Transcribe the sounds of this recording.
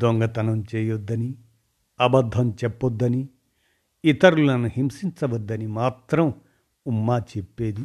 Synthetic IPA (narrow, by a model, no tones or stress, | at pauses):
d̪oŋɡɐt̪ɐnɐmt͡ʃeːjod̪ːɐni | ɐbɐd̪ʱːɐmt͡ʃɛpːod̪ːɐni | it̪ɐɾulɐnuhimsint͡ʃɐʋɐd̪ːɐnimaːt̪ɾɐm | umːaːt͡ʃepːeːd̪i